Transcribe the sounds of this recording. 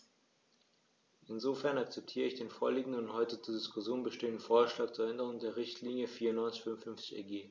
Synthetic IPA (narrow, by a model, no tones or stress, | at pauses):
ʔɪnzofɛɐnakt͡sɛp̚tʰiːʁ̞əɪçd̥eːnfoːɐliːɡŋ̩dənʊnthɔʏtət͡suːɐdɪskʰʊsjoːnbəʃteːəndən̩foːɐʃlaːk̚t͡suːɐɛʔɛndəʁ̞ʊŋdeːɐʁɪçtʰliːnjəfiːɐʊnːɔʏnt͡sɪçfʏnnfʏnft͡sɪ̥çɛ̰ɡeː